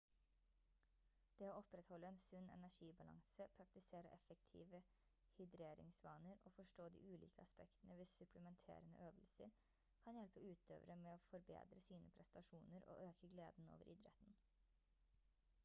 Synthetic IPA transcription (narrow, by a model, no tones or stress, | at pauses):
d̪̥eːoːɔpɾɛt̪hɔlːəɛːnsʉnːɛ̰næʂiːbɑlɑ̰ŋsəpʰɾɑk̚t̪ɪseːɾəʔɛfɛkt̪ʰḭːʋə | hʏd̪ɾeːɾɪ̰ŋsʋɑːnəɾo̰ːfɔʂʈoːd̪ḭːʔʉːlḭːkʰəɑspɛkt̪ənəʋesʉpləmɛnt̪ʰḛːɾənə̰ʔøːʋəlsə̰ɾ | kʰɑnjɛlpəʉːt̪ʰø̰ːʋəɾəmɛoːfɔɾbḛːd̪ɾəsiːnʔəpʰɾɛsɑʂuːnəɾo̰ːʔøːkəɡlḛːd̪n̩o̰ːʋə̰ɾʔɪd̪ɾɛ̰t̪n̩